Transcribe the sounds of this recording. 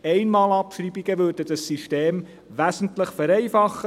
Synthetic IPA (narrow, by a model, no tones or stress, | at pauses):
ɛɪnmɑːlɑpʃribiɡ̥əʋødədɑsːiʃteːm | ʋæzən̩tləχfɛɾɛɪfɑχə